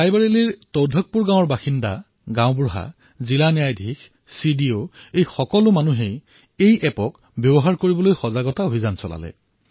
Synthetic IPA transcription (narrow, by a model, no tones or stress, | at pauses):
kajbaɹeliɹtɔwdʱɔk̚puɹɡãw̃ɔɹbaxinda | ɡãʊ̃bɹʊɦa̰ | zilanijajdʱix | sidioejxɔkɔlʊmanuɦej | ejʔɛpɔk | bjɔbɔɦaɹkoɹibɔlojxɔzaɡɔtaobʱizansɔla̰lɛ̰